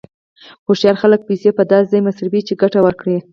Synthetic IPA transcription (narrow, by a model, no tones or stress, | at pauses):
xoʃjɑɾxalək̚pisepəd̪ɑszɑjmasɾabit͡ʃeɡaʈawəɾkɽi